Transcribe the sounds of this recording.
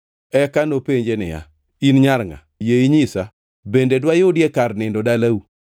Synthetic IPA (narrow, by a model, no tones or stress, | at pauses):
ɛkanopeɲd͡ʒenɪ̰ja̰ | inɲaɾŋa̰jeiɲɪsa | bendedwajodjekarnɪndodalau